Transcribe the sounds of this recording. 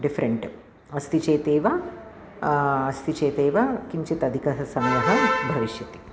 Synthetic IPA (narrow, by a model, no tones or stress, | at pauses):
ɖifʰɐɾeɳʈ | ɐst̪it͡ʃeːt̪eːʋɐ | ɐst̪it͡ʃeːt̪eːʋɐkiɲt͡ʃit̪ɐd̪ʱikɐɐsɐmɐjɐɦɐbʱɐʋiʃjɐt̪i̥